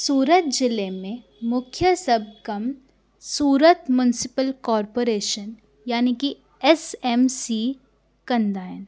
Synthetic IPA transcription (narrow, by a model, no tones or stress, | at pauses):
suːɾət̪̚d͡ʒɪlemẽ | mʊkʰjəsɐb̚kɐm | suːɾət̪mjʊnɪsɪpəlkɔːɾpoːɾeːʃən | jaːniki | ɛsɛmsi | kɐ̃nd̪aːɪn